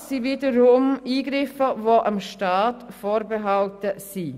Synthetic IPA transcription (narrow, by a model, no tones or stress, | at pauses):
siviːdəɾʊmiːɡɾɪfəvoʔɑmʃtɑːtfoːɾbeɦɑltəsi